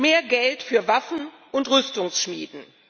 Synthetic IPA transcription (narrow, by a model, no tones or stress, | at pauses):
meːɐɡɛltfyːɐvafn̩ | ʔʊntʁʏstʊŋsʃmḭːdn̩